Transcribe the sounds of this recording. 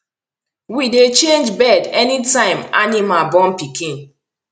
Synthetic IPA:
widet͡ʃẽnd͡ʒbɛdɛnitãɪ̃ma̰nimabɔ̃mpikʰĩn

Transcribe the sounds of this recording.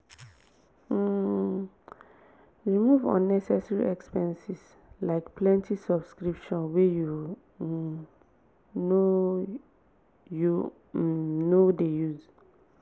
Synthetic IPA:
ɹimuvɔ̰̃nːɛsɛsɹḭʔɛkspɛ̃nsis | laɪkpʰlɛ̃ntʰisɔbskɹipʃɔ̃nweju | no | ju | nodejuz

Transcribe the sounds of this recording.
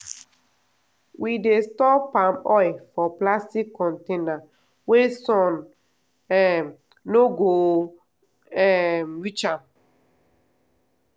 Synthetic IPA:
wʔidestɔpamɔjfɔplastikːɔ̃ntena | wesɔ̃n | ɛm | noɡo | ɛmwit͡ʃam

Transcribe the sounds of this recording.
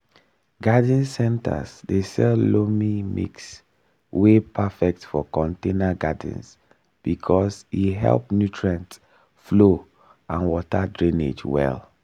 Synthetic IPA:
ɡadĩnsɛ̃nta̰sdesɛllomimḭks | wepʰafɛk̚tfɔkɔ̃ntenaɡadḭ̃ns | b̥ikʰɔsiɦɛ̰lˠpnjutʰɹãnt | flo | ãnwɔtadɹĩnḛd͡ʒwɛ̰l

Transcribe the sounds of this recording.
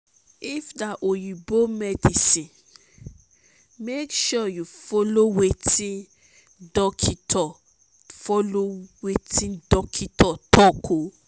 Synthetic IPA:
ifdaʔojubomɛdisĩn | mekʃɔjufolowetĩn | dɔkʰitɔ | fɔlowetʰĩndɔkʰitɔtɔkʰo

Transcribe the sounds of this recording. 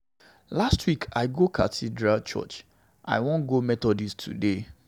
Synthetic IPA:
lastwikʰaɪɡokʰatʰidɹalt͡ʃɔ̰t͡ʃ | ʔa̰ɪwõnɡomɛtɔdistʰṵde

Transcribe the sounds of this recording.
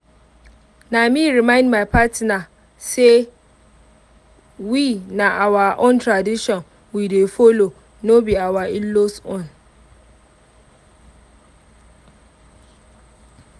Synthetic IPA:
nãmĩɾimãɪ̃ndmãpʰatʰna | se | winãʔawaʔõ̰ntʰɾadiʃɔ̃n | widefolo | nobiawailosʊ̃n

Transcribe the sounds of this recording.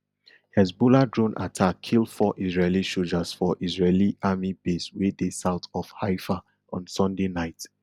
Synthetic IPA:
hɛsbuladɹõnʔa̰tʰakʰːildfɔʔisɹeliʃod͡ʒasfɔʔisɹeliʔamibeswedesaʊtɔfhaɪfa | ɔ̰̃nsɔ̃ndenaɪt

